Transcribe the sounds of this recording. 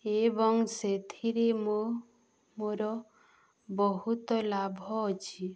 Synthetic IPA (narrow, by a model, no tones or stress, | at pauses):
ebɔŋset̪ʰiɾemo | moɾɔ | bɔɦut̪ɔlabʱɔːt͡ʃʰi